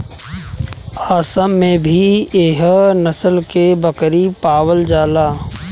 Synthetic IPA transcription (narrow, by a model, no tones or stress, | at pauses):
aːsəːẽbʱieːɦnəsəlkebəkɾipaːwəld͡ʒaːlaː